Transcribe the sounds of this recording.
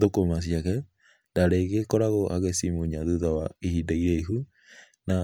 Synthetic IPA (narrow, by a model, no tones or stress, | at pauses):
ðokomas̬iakɛ | daɾeɣekɔɾaɣoʔa̰ɣesimuɲaðuðawaihidaiɾɛiɦu | na